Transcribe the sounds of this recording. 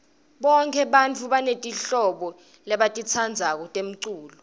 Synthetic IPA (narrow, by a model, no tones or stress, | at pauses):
ɓɔŋkʰɛɓant͡fʰuɓanetʼiɬɔɓɔ | lɛɓatʼit͡sʰand͡zʱak̬ɔtʼem̩ǀuːlɔ